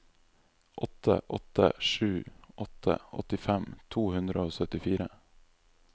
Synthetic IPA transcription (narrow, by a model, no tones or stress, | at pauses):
ʔɔt̪ʰə̰ʔɔt̪ə̰ʂʉːʔɔt̪ʰə̰ɔ̰t̪ɪfɛmt̪ʰuːhʉnd̪ɾəoːsœt̪ɪfiːɾə